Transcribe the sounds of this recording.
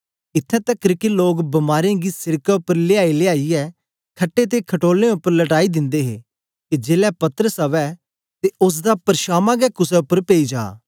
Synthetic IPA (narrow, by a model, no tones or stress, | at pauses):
ɪt̪ʰːɛ̃ːt̪ɐkːɾɪkiloːɡbɐmaːɾẽɡisɪɾkaʊpəɾlɪaːileaːiɛː | kʰɐʈːet̪̬ekʰɐʈoːlẽʊpːəɾlɐʈaːid̪ɪ̃nd̪eːɦḛː | kid͡ʒeːlɛpɐt̪əɾəsɐʋɛ | t̪eʊs̬d̪apɐɾʃaːmãɡɛkʊsɛʊpːəɾpeːid͡ʒa̰ː